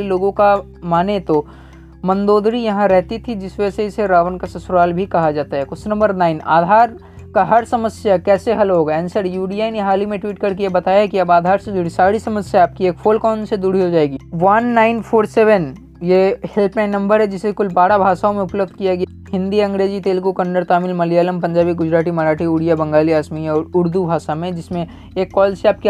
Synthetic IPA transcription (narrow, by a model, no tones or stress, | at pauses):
iloːɡõka | maːnet̪o | mɐ̃nd̪oːd̪ɾijɐɦãɾɛɦt̪it̪ʰid͡ʒɪsʋseɪseɾaːʋənkasɐsɾaːlbʱikɐɦad͡ʒaːt̪aɦɛkʊsnɐ̃mbəɾnaːɪna̰ːd̪ʱaːɾ | kaɦɐɾsɐməsjakɛːseɦɐlɦoːɡaɛ̃nsəɾjuːɖijaːineɦaːlimẽʈwiːʈ̚kɐɾkejebɐt̪aːjaɛkiɐbaːd̪ʱaːɾsed̪uːɽ̤isaːɽisɐməsjaaːp̚kieːkfʰoːlkɔːnsed̪uːɽiɦod͡ʒaːeːɡiːʋɐnːaːɪnpʰoːɾseːʋən | jehelpnãɪnːɐ̃mbəɾɦɛd͡ʒɪsekʊlbaːɽabʱaːʃaːõmẽʊpləbd̪̚kijaɡɐj | ɦɪ̃nd̪iɐ̃ŋɡɾeːd͡ʒit̪eːlkukɐɳɖəɾt̪aːmɪlmɐlijaːləmpɐ̃ɲd͡ʒaːbiɡʊd͡ʒɾaːʈimɐɾaːʈʰiuːɽijabɐ̃ŋɡaːliaːsmiɔːɾʊɾd̪ubʱaːʃamẽd͡ʒɪsmẽ | eːkːɔːlseaːp̚ki